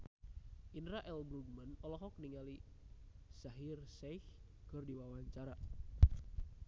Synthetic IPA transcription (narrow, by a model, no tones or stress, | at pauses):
ʔinɾaʔɛlbɾuɡ̚manɔlɔɦɔk̚niŋali | saɦirsɛjh | kərdiwawaɲt͡ʃaɾa